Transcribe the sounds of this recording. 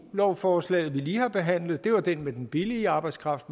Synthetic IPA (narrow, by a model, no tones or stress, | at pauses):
lɒʊfɒːslɛ̰ːð̩ˠʋiliːhɑ̈b̥e̝ɦæn̰lð̩ˠd̥e̝ʋɑ̈d̥enmed̥en̩b̥iliːɑ̈ːb̥ɑ̈ɪd̥skʰʁɑ̈fd̥